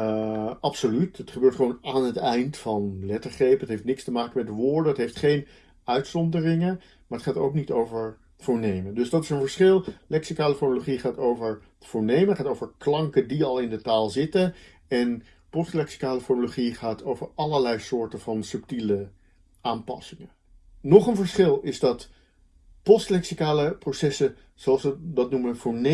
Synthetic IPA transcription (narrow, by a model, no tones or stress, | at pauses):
ɑpsolytətχəbøːɹtχəʋoːnaːnɦətɛjntfɑnlɛtəɹχrejpətɦejftnɪkstəmaːkəmɛtʋʊːɹdənətɦejftχejn | œɥtsɔndərɪŋən | maːɹətχaːtowknitowvəɹ | v̥ʊːɹnejməndɵsdɑtɪsənvəɹsχɪlˠlɛksikaːləfɔɹnoloχiχaːtowvəɹ | v̥ʊːɹnejməətχaːtowvəɹklɑŋkəndiɑlˠɪndətaːlˠzɪtən | ɛn | pɔstlɛksi̥kaːləfɔɹnoloχiχaːtʰowvəɹɑləɹlɛjsʊːɹtənvɑnsɵptilə | aːmpɑ̰sɪŋə | nɔχənvəɹsχɪlˠɪzdɑt | pɔstlɛksikaːləprosɛsə | z̥oɑlˠsədɑtnuməv̥ʊːɹne